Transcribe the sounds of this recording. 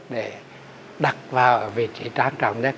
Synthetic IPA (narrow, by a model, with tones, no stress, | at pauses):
ɗe˧˩ | ɗa˨˩k̚vaː˨˩wʔəː˧˩vi˨˩ət̚t͡ɕḭ˧˩˦t͡ɕaː˧ŋt͡ɕɔ̰˧˨˩ŋ͡mɲə˦˥